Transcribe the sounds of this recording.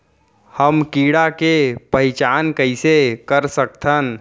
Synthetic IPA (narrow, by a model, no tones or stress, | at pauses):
həmkiɽakepəit͡ʃaːnkəɪsekəɾsək̚t̪ʰən